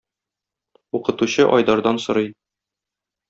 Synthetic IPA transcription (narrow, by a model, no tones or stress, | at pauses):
uqɤ̆t̪uɕɤʔɒjd̪ɑɾd̪ɑnsŏɾɤj